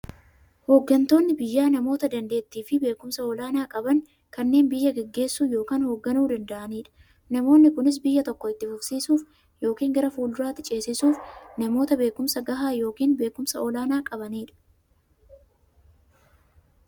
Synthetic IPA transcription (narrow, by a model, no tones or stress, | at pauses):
hoɡːɐnt̪o̞ːnːɪbɪjːaːnɐmo̞ːt̪ɐd̪ɐnd̪e̞ːt̪ːiːfɪbe̞ːkʊmsɐɔlaːnaːkʼɐbɐŋ | kɐnːe̞ːnbɪjːɐɡɛɡːe̞ːsːuːjo̞ːkaːnhoːɡːɐnuːd̪ɐnd̪ɐʔɐniːᶑɐ̥ | nɐmo̞ːnːɪkʊnɪs̬bɪjːɐt̪ɔkːɔɪt̪ːɪfʊksiːsuːf | jo̞ːkiːŋɡɐɾɐfuːld̪ʊɾaːt̪ːɪt͡ʃʼe̞ːsɪsuːfnɐmo̞ːt̪ɐbe̞ːkʊmsɐɡɐɦaːjo̞ːkiːnbe̞ːkʊmsɐɔlaːnaːkʼɐbɐniːᶑɐ̥